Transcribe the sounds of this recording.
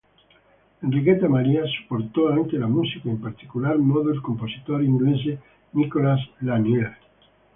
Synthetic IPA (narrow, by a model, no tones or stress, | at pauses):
enriket̪amaɾiasu̥poɾt̪oaŋkelamusikaempaɾt̪i̥kulaɾmoðoelkomposit̪oɾind̪uens̬e | nikolaslanel